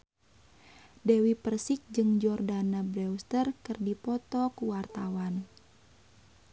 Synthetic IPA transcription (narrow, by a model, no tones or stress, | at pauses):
dɛwipərsik̚d͡ʒɨŋd͡ʒɔrdanabɾɛust̪ərkɨrdipɔt̪ɔkuwart̪awan